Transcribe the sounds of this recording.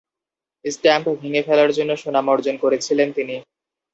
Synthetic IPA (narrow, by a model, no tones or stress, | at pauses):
sʈɛmpbʱiŋefelaɾd͡ʑonːoʃonamɔɾd͡ʑonkoɾet͡ɕʰilent̪ini